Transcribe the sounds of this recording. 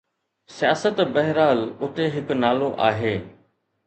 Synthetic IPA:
sijaːsət̪bɐɦɪɾaːlʊt̪eɦɪknaːloʔaːɦeː

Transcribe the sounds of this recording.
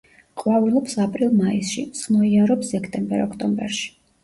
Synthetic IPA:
qʼwavilˠɔpsapʼɾilˠmaisʃismɔiaɾɔpsɛkʰt̪ʼɛmbɛ̰ɾɔkʰt̪ʼɔmbɛ̰ɾʃi̥

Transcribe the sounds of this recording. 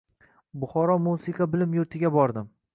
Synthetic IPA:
bʊχɒɾɒmusiqʰɑbɪlɪmjʊɾt̪ʰɪɡʲabɒɾd̪ɪm

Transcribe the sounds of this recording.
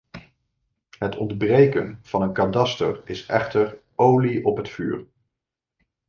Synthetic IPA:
ɦətʰɔndbrejkənv̥ɑnənkadɑstə̰ɹɪsʔɛ̰χtəɹ | owliɔpɦətfy̰ːɹ

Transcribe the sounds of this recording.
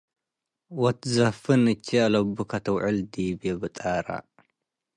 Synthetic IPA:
wɔt̪zɐfɨnɨt͡ʃʰːialɐbukʰɐt̪ʰɐwʕɨld̪ibebɨt̪ʼaɾa̰

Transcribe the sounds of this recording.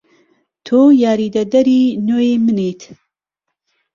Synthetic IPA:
t̪ʰojaːɾid̪ɐd̪ɐɾinoːjimɨnet̪

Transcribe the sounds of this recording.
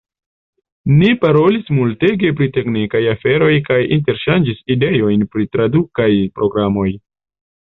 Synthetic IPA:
nipaɾo̞lismulte̞ɡe̞p̬ɾite̞knikajafe̞ɾo̞jkajinte̞ɾʃand͡ʒiside̞jo̞jnpɾitɾadukajpɾo̞ɡɾamo̞j

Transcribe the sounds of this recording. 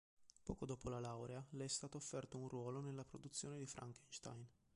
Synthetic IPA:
pɔːkod̪oːpolalawɾealɛɛst̪aːt̪oːfːɛrt̪ounrwɔːlonelːapɾod̪ut̪sːjoːned̪ifɾʔa̰ŋkenʃt̪a̰jn

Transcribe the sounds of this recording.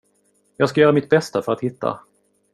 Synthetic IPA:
jɑːɡskajœːɾamɪt̪̚bɛst̪afœɾat̪hɪt̪ːa̰

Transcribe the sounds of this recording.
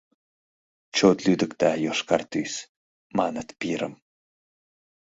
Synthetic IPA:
t͡ʃʰot̪lyd̪ɨkt̪aːjoʂkart̪yjs | manət̪piɾə̰m

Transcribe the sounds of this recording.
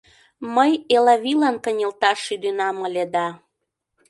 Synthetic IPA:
məjelɑβilɑnkənʲəlt̪ɑʃːyd̪ynɑməlʲed̪ɑ

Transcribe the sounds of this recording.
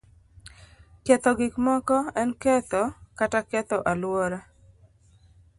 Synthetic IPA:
kɛt̪ɔɡɪkmɔkɔɛnkɛt̪ɔkatakɛt̪ɔʔalwɔɾa

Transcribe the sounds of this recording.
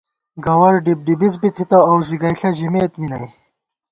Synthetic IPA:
ɡɐwɐɾɖib̚ɖibizbit̪ʰit̪ɐːwziɡɐjɬɐʑimeːt̪minɐj

